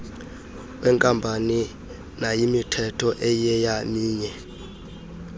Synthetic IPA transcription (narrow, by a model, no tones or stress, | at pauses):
wʔɛŋkʼambʱani | najimitʰɛtʰɔʔɛjɛjamiːɲɛ